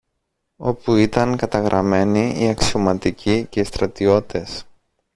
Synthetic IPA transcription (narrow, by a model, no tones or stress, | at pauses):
o̞puit̪ɐŋkɐt̪ɐɣɾʔɐme̞niiɐksio̞mɐt̪icʰice̞ist̪ɾɐt̪io̞t̪e̞s